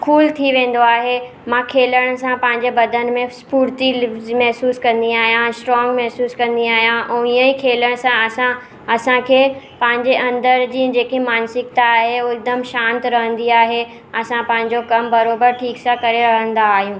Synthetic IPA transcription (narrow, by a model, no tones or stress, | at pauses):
kʰuːlt̪ʰiʋẽːn̆d̪oaːɦe | mãkʰeːləɽ̃sãpɐ̃ɦɪ̃ɲd͡ʑebɐd̪ʱən̆mẽspuːɾt̪imɛɦsuːskɐ̃nd̪iaːɦijãsʈɾɔ̃ːŋɡmɛɦsuːskɐ̃nd̪iaːɦijãʔɛ̃ːijə̃ĩkʰeːləɽ̃sãɐsã | ɐsãkʰeː | pɐ̃ɦɪ̃ɲd͡ʑeʔɐ̃nd̪əɾd͡ʑiːd͡ʑeːkemaːnsɪkt̪aːɦeoɪk̚d̪əmʃãːnt̪ɾɐɦə̃nd̪iaːɦe | ɐsãpɐ̃ɦɪ̃ɲd͡ʑokɐmbɐɾoːbəɾʈʰiːksãkɐɾeɾɐɦə̃nd̪aːɦijũː